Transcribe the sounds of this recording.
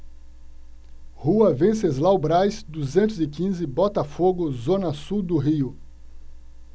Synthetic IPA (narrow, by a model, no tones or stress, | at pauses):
huɐvẽsezlawbɾajsd̪uzẽnt̪ʊzɪkĩzɪbɔt̪ɐfoɡʊzõnɐsuwd̪ʊɦiʊ